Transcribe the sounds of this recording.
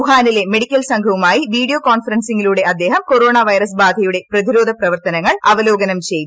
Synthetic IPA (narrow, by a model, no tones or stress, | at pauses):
uɦaːnile̞me̞ɽikʲːɐlsɐŋɡʱɐʋumaːjiʋiːɽijoːkaːnfɐɾɐnsiŋiluːɽe̞ɐd̪ːeːɦɐmkoɾo̞ːɳaːʋɐjɾɐsbaːd̪ʱɐjuɽe̞prɐðiɾo̞ːd̪ʱɐprɐʋɐrt̪ɐnɐŋːɐɭɐʋɐlo̞ːɡɐnɐmt͡ɕe̞jt̪